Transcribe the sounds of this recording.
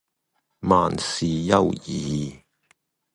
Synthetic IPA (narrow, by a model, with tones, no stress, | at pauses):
maː˨nsiː˨jɐ̰˥˧wjiː˨